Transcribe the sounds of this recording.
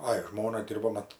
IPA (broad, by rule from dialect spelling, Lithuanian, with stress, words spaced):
ˈɐɪ ˈʒmoːnɐ ˈdʲɪrboː ˈmɐt